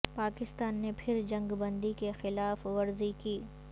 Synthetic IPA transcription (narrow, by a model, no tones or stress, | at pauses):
paːkɪst̪aːnːepʰɪɾd͡ʒɐ̃ŋɡbɐ̃nd̪ikexɪlaːfʋɐɾzikiː